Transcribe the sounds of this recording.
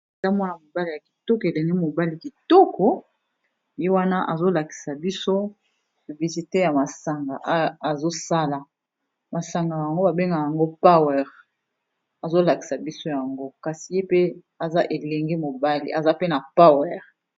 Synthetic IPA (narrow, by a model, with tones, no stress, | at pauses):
e˨za˦mɔ˦na˨mo˨ba˦li˨ja˨ki̥˨tɔ˦ke˨lɛ˨ni˦mo˨ba˦li˨ki˨tɔ˦kɔ˨ | je˦wa˦na˦ʔa̰˨zo˦la˨ki̥˨sa˨bi˦so˦˨ | vi˨si˨te˦ja˨ma˨sa˨ŋɡa˨ʔa˨zo˦sa˦la˨ | ma˨sa˨ŋɡa˨a˨ŋɡo˦ba˨be˦ŋɡa˨ja˨ŋɡo˦pa˦wɛ˦˨ʁ | a˨zo˦la˨ki̥˨sa˨bi˦so˦ja˨ŋɡo˦ka˨si˨je˦pe˦ | a˨za˦ʔe˨lɛ˨ŋɡɛ˦mo˨ba˦lḭ˨ʔa˨za˦pe˦na˨pa˦wɛ˦˨ʁ